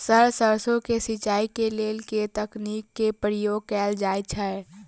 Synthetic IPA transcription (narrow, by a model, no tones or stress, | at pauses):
səɾsəɾsõkesɪt͡ʃaːikeleːlket̪əkniːkːepɾɪjoːɡ̚kɛːld͡ʒaːet͡ʃʰɛ